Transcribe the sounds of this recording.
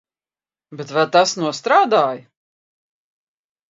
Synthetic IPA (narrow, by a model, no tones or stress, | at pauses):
bet̪vɛlt̪asnuɔst̪ɾaːd̪aːj